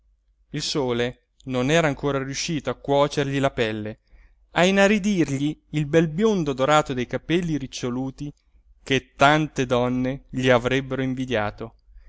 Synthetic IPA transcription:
ilsoːle | nonɛːɾaːŋkoːɾarjuʃːiːt̪oakːwɔːt͡ʃerʎilapɛlːe | ainaɾid̪irʎiːlbɛlbjond̪od̪oɾaːt̪od̪ejkapɛlːiɾit͡ʃːoluːt̪i | ket̪ːant̪ed̪ɔnːeʎiavɾɛbːeɾoiɱvid̪jaːt̪o

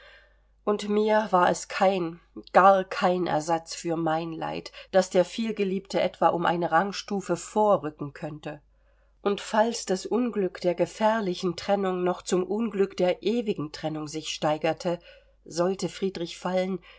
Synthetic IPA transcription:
ʔʊntmiːɐvaːɐɛskʰaɪn | ɡ̥aɐkʰaɪnʔɛ̰ɐzat͡sfyːɐmaɪnla̰ɪtd̥asd̥eːɐfiːlɡəliːptəʔɛtv̥aʔʊmʔa̰ɪnəʁaŋʃtuːfəfoːɐʁʏkŋ̩kʰœntə | ʔʊntfalsd̥asʔʊnɡlʏkd̥eːɐɡəfɛɐlɪçn̩tʁ̥ɛnʊŋnɔχt͡sʊmʔʊnɡlʏkd̥eːɐʔeːvɪɡŋ̩tʁ̥ɛnʊŋzɪçʃtaɪɡɐtʰə | zɔltəfʁ̥iːdʁɪçfalən

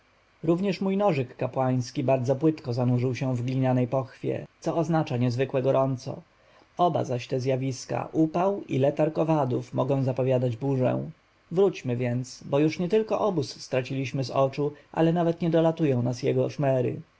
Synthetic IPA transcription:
ɾuvɲɛʂmujnɔʐɘkːapwaj̃skʲibaɾd̪zɔpwɘt̪kɔzanuʐɘwɕɛ̃vɡlʲiɲanɛjpɔxfʲjɛ̰t̪sɔːznat͡ʂaɲɛzvɘkwɛɡɔɾɔnt̪sɔ̰ | ɔba̰zaɕt̪ɛzʲjavʲiska̰ʔupawḭlɛt̪aɾkɔvad̪ufmɔɡɔ̃w̃zapɔvʲjad̪ad͡ʑbuʐɛ̰̃w̃ | vɾut͡ɕmɘvʲjɛnt̪sbɔjuʂɲɛt̪ɘlkɔʔɔbusːt̪ɾat͡ɕilʲiɕmɘzɔt͡ʂuʔa̰lɛnavɛt̪ɲɛd̪ɔlat̪ujɔ̃w̃nasjɛɡɔʂmɛɾɘ̰

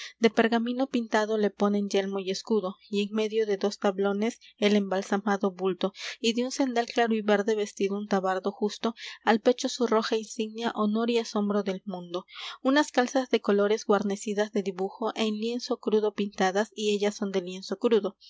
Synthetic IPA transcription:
d̪e̞pe̞ɾɣamĩno̞pint̪aðo̞le̞po̞ne̞nd͡ʒe̞lmo̞je̞skuðo̞ie̞ŋme̞ðjo̞ðe̞ðo̞st̪aβlo̞ne̞se̞le̞mbalsamaðo̞βult̪o̞iðeunse̞nd̪alklaɾoiβe̞ɾðe̞βe̞st̪iðount̪aβaɾðo̞xust̪o̞alpe̞t͡ʃo̞suro̞xainsiɡnaʔo̞no̞ɾiaso̞mbɾo̞ðe̞lmũnd̪o̞unaskalsazðe̞ko̞lo̞ɾe̞zɣwaɾne̞siðazðe̞ðiβuxo̞ʔenlje̞nso̞kɾuðo̞pint̪aðasie̞ʝaso̞nd̪e̞lje̞nso̞kɾuðo̞

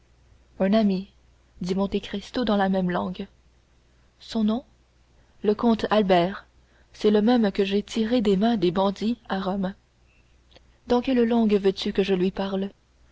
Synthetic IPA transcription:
ɛ̃nami | d̪imɔ̃t̪ekχist̪od̪ɑ̃lamɛmlɑ̰̃ɡ | sɔ̃nɔ̃ | ləkɔ̃t̪albɛːʁ | sɛləmɛmkəʒet̪ʰiʁed̪emɛ̃d̪ebɑ̃d̪iaʁɔm | d̪ɑ̃kʲɛllɑ̃ɡvøt̪ykəʒəlɥipaʁl

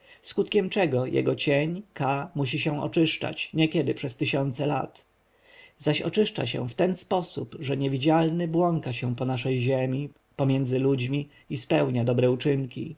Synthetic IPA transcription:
skut̪kʲɛmt͡ʂɛɡɔjʔɛ̰ɡɔt͡ɕeɲkamuɕ̬iɕɛ̃ɔ̰t͡ʂɘʂt͡ʂa̰t͡ɕɲɛkʲɛd̪ɘpʂɛst̪ɘɕɔnt̪sɛla̰t̪ | zaɕɔ̰t͡ʂɘʂt͡ʂa̰ɕɛ̰̃ft̪ɛnspɔsṵpʐɛɲevʲid͡ʑalnɘbwɔŋkaɕɛ̃pɔnaʂɛjʑemʲi | pɔmʲjɛnd̪zɘlud͡ʑmʲi | ispɛwɲad̪ɔbɾɛut͡ʂɘŋkʲḭ

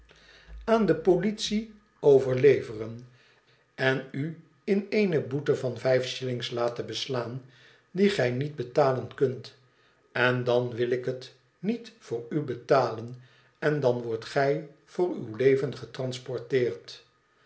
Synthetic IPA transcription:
aːndəpolitsi | owvəɹlejvərən | ɛny | ɪnejnəbutəvɑnvɛjfʃɪlɪŋslaːtəbəslaːn | diχɛjnidbətaːlənkɵnt | ɛndɑnʋɪlɪkɦət | nitfʊːɹybətaːlən | ɛndɑnʋɔɹtχɛj | v̥ʊːɹy̰wlejvənχətrɑnspɔɹtɪːrt

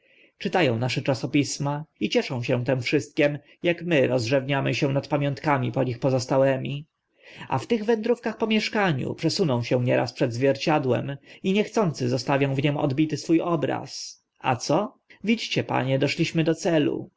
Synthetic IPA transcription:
t͡ʂɘt̪ajɔ̃w̃naʂɛt͡ʂasɔpʲismait͡ɕɛʂɔ̃w̃ɕɛ̃t̪ɛmfʂɘst̪̚kʲɛm | jakmɘɾɔzʐɛvɲamɘ̰ɕɛ̃nat̪pamʲjɔ̃nt̪kamʲipɔɲixpɔzɔst̪awɛmʲi | a̰ft̪ɘɣvɛnd̪ɾufkaxpɔmʲjɛʂkaɲṵpʂɛsunɔ̃w̃ɕɛw̃ɲɛɾaspʂɛd̪zvʲjɛɾt͡ɕad̪wɛ̰miɲɛxt̪sɔnt̪sɘzɔst̪avʲjɔ̃w̃vɲɛmɔ̰d̪bʲit̪ɘsfujɔbɾa̰s | a̰t̪sɔ | vʲid͡ʑt͡ɕɛpa̰ɲɛd̪ɔʂlʲiɕmɘd̪ɔt̪sɛlṵ

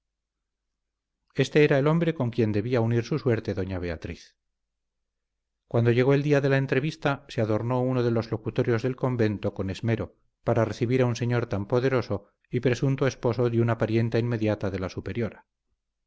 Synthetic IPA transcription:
e̞st̪e̞eɾaelo̞mbɾe̞ko̞ŋkje̞nd̪e̞βiauniɾsuswe̞ɾt̪e̞ðo̞ɲaβ̞e̞at̪ɾiθ | kwand̪o̞ʝe̞ɣo̞e̞ld̪iaðe̞lae̞nt̪ɾe̞βist̪aseaðo̞ɾno̞uno̞ðe̞lo̞zlo̞kut̪oɾjo̞zðe̞lko̞mbe̞nt̪o̞ko̞ne̞zme̞ɾo̞ | paɾare̞θiβiɾaunse̞ɲo̞ɾt̪ampo̞ðe̞ɾo̞so̞ | ipɾe̞sunt̪oe̞spo̞so̞ðunapaɾje̞nt̪ainmːe̞ðjat̪aðe̞lasupe̞ɾjo̞ɾa

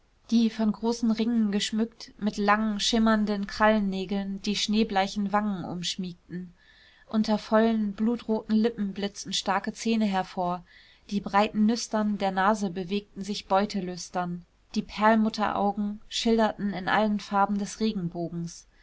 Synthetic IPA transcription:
d̥iːfɔnɡʁoːsn̩ʁɪŋənɡəʃmʏktmɪtlaŋənʃɪmɐndənkʁ̥alnːeːɡl̩nd̥iːʃneːblaɪçn̩vaŋənʔʊ̰mʃmiːk̚tn̩ | ʔʊntɐfɔlənbluːtʁoːtn̩lɪpm̩blɪt͡sn̩ʃtaɐkət͡seːnəɦɛɐfoːɐ | d̥iːbʁaɪtn̩nʏstɐndeːɐnaːzəbəveːk̚tn̩zɪçb̥ɔʏtʰəlʏstɐn | d̥iːpʰɛɐlmʊtʰɐ̰ʔa̰ʊɡŋ̩ʃɪldɐtn̩ɪnʔa̰lənfaɐbm̩dɛsʁeːɡŋ̩boːɡŋ̩s

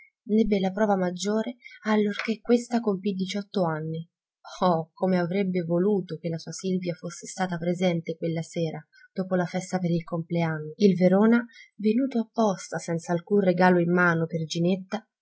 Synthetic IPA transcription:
nɛbːelːapɾɔːvamad͡ʒːoːɾealːork̟ekːwest̪akompid̪it͡ʃɔt̪ːoanːi | ɔkʰomeavɾebːevoluːt̪okelːasuːasilvjafosːe̥st̪aːt̪apɾezɛnt̪ekwelːasɛːɾa | d̪̥oːpolafɛst̪apeɾilkompleanːoilveɾoːnavenuːt̪oapːɔst̪asɛnt̪saːlkunreɡaːloimːaːnoperd͡ʒinet̪ːa

